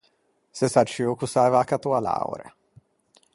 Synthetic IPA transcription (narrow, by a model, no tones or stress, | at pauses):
sesat͡ʃiokusajvakat̪uala̰w̰ɾḛ